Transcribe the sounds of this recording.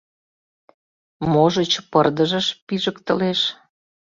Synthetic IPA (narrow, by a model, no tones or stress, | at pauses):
moʒət͡ɕpərd̪əʒəʃpiʒəkt̪əleʃ